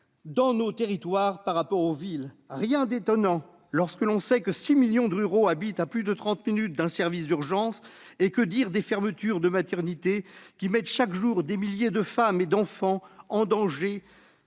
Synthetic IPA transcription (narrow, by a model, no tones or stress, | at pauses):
d̪ɑ̃not̪eʁit̪waʁpaʁːapɔʁovilʁjɛ̃d̪et̪ɔnɑ̃ | lɔʁskəlɔ̃sɛkəsimiljɔ̃d̪əyʁoabit̪aplyd̪ət̪χɑ̃t̪minyt̪̚d̪ɛ̃sɛʁvisd̪yʁʒɑ̃s | ekəd̪iʁd̪efɛʁmət̪yʁd̪əmat̪ɛʁnit̪ekʲimɛt̪ʃakʒuʁd̪emiljed̪əfamed̪ɑ̃fɑ̃ɑ̃d̪ɑ̃ʒe